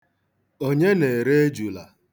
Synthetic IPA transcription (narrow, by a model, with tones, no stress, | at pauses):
o˦ɲe˦ne˨ɾe˦e˦d͡ʒu˨la̰˨